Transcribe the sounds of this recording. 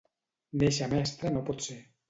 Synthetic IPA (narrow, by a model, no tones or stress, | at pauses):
neʃamɛst̪ɾanopot̪se